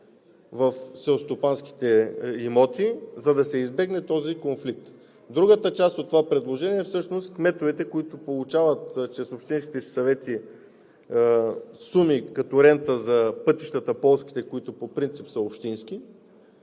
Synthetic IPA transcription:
vɐfsɛost̪opanski̥t̪ɛimɔt̪izɐd̪ɐsɛizbɛɡnɛt̪ɔzikonflik̚t̪ | d̪ɾuɡət̪ət͡ʃast̪ot̪ːovapɾɛd̪lˠoʒɛniɛfsɤʃnost̪kmɛt̪ovit̪ɛkoit̪ʊpolˠut͡ʃavət̪t͡ʃɛsopʃt̪inskʲi̥t̪ɛsi̥sɐvɛt̪i | sumikɐt̪ɔɾɛnt̪əzɐpɤt̪i̥ʃt̪ət̪əpɔlˠsk̟i̥t̪ɛkoit̪ʊpopɾint̪sipsəopʃt̪inski

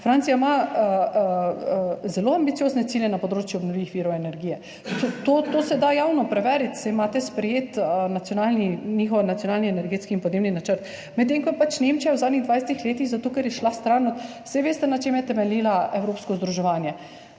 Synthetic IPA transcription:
fɾansijama | zɛloːambit̪sijoːznɛt̪siːljɛnapɔd̪ɾoːt͡ʃjuɔbnɔʋlʲiːʋixʋiːɾɔɛnɛɾɡijɛ | ot̪ot̪oːsɛd̪ajaːwnɔpɾɛʋɛːɾit̪sɛjmaːt̪ɛspɾɛjeːt̪ənat̪sjɔnaːlninixɔwnat̪sijonaːlniɛnɛɾɡeːt̪skiːnpɔd̪neːbninat͡ʃəɾt̪ | mɛt̪̬ːeŋkɔɛpat͡ʃnemt͡ʃijawzad̪niɣd̪ʋajsɛt̪ixleːt̪iɣzat̪oːkɛɾjɛʃlast̪ɾanɔt̪ | sɛʋeːst̪ɛnat͡ʃeːmjɛt̪ɛmɛliːlaɛwɾoːpskɔzd̪ɾuʒɛʋaːnjɛ

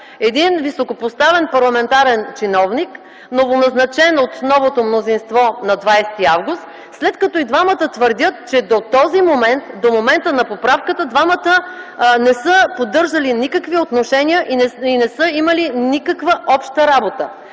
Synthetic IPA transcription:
ɛd̪invisokopost̪avɛnpɐɾlˠɐmɛnt̪aɾɛnt͡ʃinɔvnik | novonɐznɐt͡ʃɛnot̪nɔvot̪omnozinst̪vɔnɐd̪vajsɛ̥t̪iavɡʊst̪ | slɛt̪kɐt̪ɔid̪vamət̪ət̪vəɾd̪ʲət̪t͡ʃɛd̪ot̪ɔzimomɛnt̪d̪omomɛnt̪ənɐpopɾafkət̪əd̪vamət̪ənɛsəpod̪ɤɾʒɐlinikəkviot̪noʃɛnʲiəʔiinɛsəimɐlinikəkvəʔɔpʃt̪əɾabot̪ə

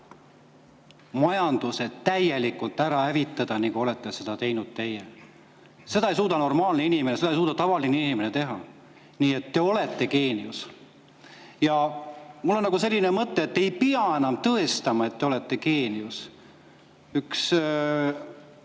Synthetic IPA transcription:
mɑjɑnd̪̥use̞d̪t̪æje̞likːult̪ːˑæɾɑhævit̪ːˑɑd̪̥ɑniŋkuo̞le̞t̪ːˑe̞se̞d̪̥ɑt̪e̞jnud̪̥̚t̪e̞je | se̞d̪̥ɑejsuːt̪ɑno̞rmɑːlne̞inimenese̞d̪ɑejsuːt̪ɑt̪ɑvɑlineinime̞ne̞t̪e̞ɦɑ | niːe̞t̪ːe̞o̞le̞t̪ːe̞ke̞ːnius | jɑmulːo̞nːɑkɡuse̞lʲːine̞mɤt̪ːe̞ːt̪ːejpiɑe̞nɑmt̪ɤe̞st̪ɑmɑe̞t̪ːeo̞le̞t̪ːe̞ke̞ːnius | yks

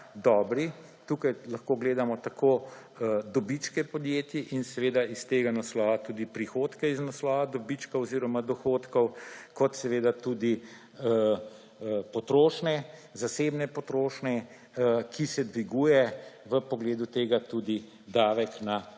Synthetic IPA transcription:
d̪ɔːbɾi | t̪uːkajlɐxkoɡleːd̪amɔt̪akʰoː | d̪ɔbit͡ʃkɛpɔd̪jeːt̪jiʔinsɛʋeːd̪aist̪eːɡanaslɔːʋat̪uːd̪ipɾixoːt̪kɛiznaslɔːʋad̪ɔbit͡ʃkɐwɔziɾɔmad̪ɔxot̪kɔwkɔt̪sɛʋeːd̪at̪uːd̪i | pɔt̪ɾoːʃnɛzaseːbnɛpɔt̪ɾoːʃnɛ | əkʰisɛd̪ʋiɡuːjɛʋəpɔɡleːd̪ut̪eːɡat̪uːd̪i | d̪aːʋɛkna

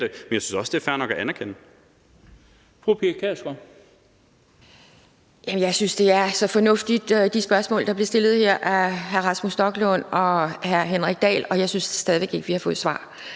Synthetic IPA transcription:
d̥emenjäsy̥n̩sɒ̽sd̥e̝æɐfæɐnɒ̽ɡ̥æʔænæɐkʰenə | fʁupʰikʰæsɡ̥ɒ | jæmənjɑ̈ɪsynsd̥e̝æɐsɒ̽fɒ̽nɔ̽fd̥id̥d̥isb̥ɶɐsmɔ̰̽ːld̥ɑ̈b̥le̝ɐsd̥e̝lð̩ˠheɐ̰ʔæɦæɐʁɑ̈smusd̥ɒ̽ɡ̥lɔnɒ̽ɦæɐɦenʁaɡ̥̚d̥ɛ̰ːlɒ̽jɑ̈ɪsynssd̥ɛð̞ˠiʋe̝ɡ̥e̝ɡ̥əʋihɑ̈fɔ̽ːð̩ˠsʋɑ̰̈ː

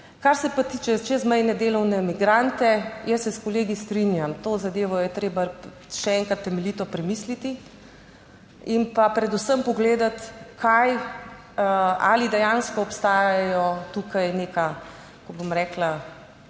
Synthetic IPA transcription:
kaɾsɛpat̪iːt͡ʃɛt͡ʃɛzmɛjnɛd̪eːlɔwnɛmiɡɾant̪ɛjəsːɛskɔleːɡist̪ɾinjamt̪oːzad̪eːʋɔjɛt̪ɾeːba | ʃɛɛŋkɾat̪ːɛmɛlit̪ɔpɾɛmislit̪i | impapɾɛd̪usəmpɔɡleːd̪at̪kʰaj | a̰lid̪ɛjanskɔːpst̪aːjaajɔt̪ukajneka | kɔbomɾɛːkla

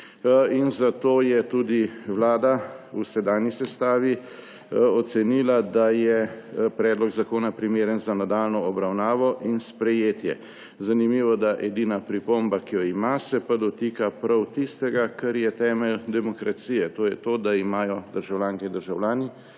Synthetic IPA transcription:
inzat̪oːjɛt̪uːd̪iʋlaːd̪ausɛd̪aːnjisɛst̪aːʋi | ɔt̪sɛniːlad̪ajɛpɾɛːd̪lɔɡzakoːnapɾimeːɾənzanad̪aːlnɔːbɾawnaːʋɔʔinspɾɛjeːt̪jɛ̰ | zanimiːʋɔd̪aʔɛd̪iːnapɾipombakijɔimasɛpad̪ɔt̪iːkapɾawt̪ist̪ɛɡakəɾjɛt̪ɛːmɛld̪ɛmɔkɾat̪siːjɛt̪oːjɛt̪oːd̪aimaːjɔd̪əɾʒawlʲjaːŋkɛd̪əɾʒawljaːni

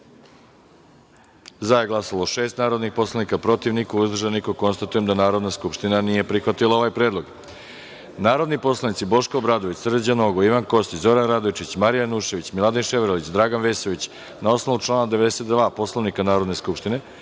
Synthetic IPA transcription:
zajeɡlˠasalˠoʃe̞ːst̪naːɾod̪nixpo̞slˠanikapɾo̞t̪iʋnikuuzd̪rʒanikoko̞nst̪at̪ujemd̪anaːɾo̞d̪naskupʃt̪inanije̞pɾixʋat̪ilˠao̞ʋajpɾeːd̪lˠo̞ɡ | naːɾo̞d̪nipo̞slˠanit̪sibo̞ʃkoːbɾad̪oʋit͡ɕsrd̪d͡ʑano̞ɡoiʋanko̞st̪it͡ɕzo̞ɾanɾad̪oʋit͡ʃit͡ɕmaɾijanuʃe̞ʋit͡ɕmilˠad̪inʃeʋɾolit͡ɕd̪ɾaːɡanʋe̞ːsoʋit͡ɕ | nao̞sno̞ʋuʈ͡ʂlˠaːnad̪e̞ʋe̞d̪ese̞t̪d̪ʋaːpo̞slˠoʋnikanaːɾo̞d̪ne̞skupʃt̪ine

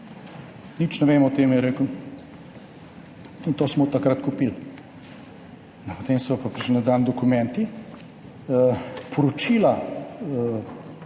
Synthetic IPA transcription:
nit͡ʃnɛʋeːmɔt̪eːmjɛɾeːkw | int̪oːsmɔt̪akɾat̪kupil | nɛpot̪eːmsɔpapɾiʃlinad̪and̪ɔkumɛnt̪i | pʰɔɾɔt͡ʃila

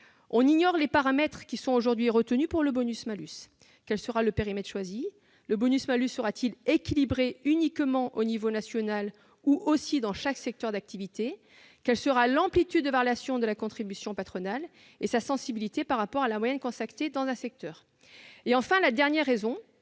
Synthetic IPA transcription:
ɔ̃niɲɔʁlepaʁamɛt̪χkʲisɔ̃oʒuʁd̪ɥiʁət̪ənypuʁləbɔnysmalys | kʲɛlsəʁaləpeʁimɛt̪χʃwazi | ləbɔnysmalysːəʁat̪ʰilekʲilibʁeynikmɑ̃ʔonivonasjɔnal | uʔosid̪ɑ̃ʃaksɛk̚t̪œʁd̪ak̚t̪ivit̪e | kʲɛlsəʁalɑ̃plit̪yd̪ːəvaʁjasjɔ̃d̪əlakɔ̃t̪χibysjɔ̃pat̪χɔnal | esasɑ̃sibilit̪epaʁːapɔʁalamwajɛ̃nkɔ̃sakt̪ed̪ɑ̃zɛ̃sɛk̚t̪ʰœːʁ | eɑ̃fɛ̃lad̪ɛʁnjɛʁːezɔ̃

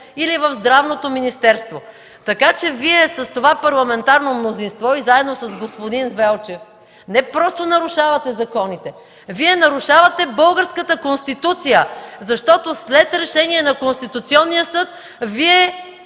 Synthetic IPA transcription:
ilivəvzd̪ɾavnot̪ominist̪ɛɾst̪vo | t̪ɐkat͡ʃɛviɛsɐst̪ovapɐɾlˠɐmɛnt̪aɾnomnozinst̪vɔizaɛd̪nosɐzɡospod̪invɛlˠt͡ʃɛf | nɛpɾɔst̪onɐɾʊʃavɐt̪ɛzɐkɔnit̪ɛ | viɛnɐɾʊʃavɐt̪ɛbɤlˠɡəɾskət̪əkonst̪it̪ut̪sijəzɐʃt̪ɔt̪oslɛt̪ɾɛʃɛniɛnɐkonst̪it̪ut̪siɔnːijəsɤt̪ | viɛ

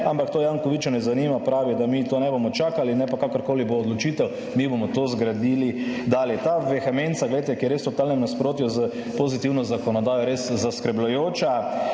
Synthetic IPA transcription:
ampakt̪oːjaŋkɔʋit͡ʃɔnɛzanimapɾaːʋid̪amit̪oːnɛbomɔt͡ʃaːkalinɛpakakəɾkoːliboːd̪lɔt͡ʃiːt̪ɛw | mibomɔt̪ozɡɾad̪iːlid̪aːljɛt̪aʋɛxamensaɡlɛjt̪ɛkijɛɾest̪ɔt̪aːlnɛmnaspɾoːt̪jɔzə | pozit̪iwnɔzakɔnɔd̪aːjɔɾeszaskɾɛblʊjoːt͡ʃa

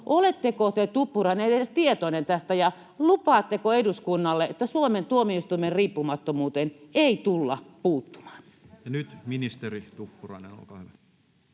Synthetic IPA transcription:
ʔolet̪ːekot̪et̪upːurɑineeet̪iet̪onent̪æst̪æjɑ | lupɑːt̪ːekoeduskunːɑlːeʔet̪ːæsuoment̪uomiist̪uimerriːpːumɑt̪ːomuːt̪eneit̪ulːɑpuːt̪ːu̥mɑ̥ːn | jɑnyt̪minist̪erit̪upːurɑ̰inḛno̰lkɑˑhyʋæ

